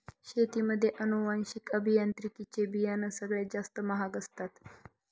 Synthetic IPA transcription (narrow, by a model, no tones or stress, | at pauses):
ɕet̪iməd̪ʱːjeʔənuʋanɕikəbʱijant̪ɾikit͡ɕebijanəsəɡɭed͡zast̪əməɦaɡəst̪at̪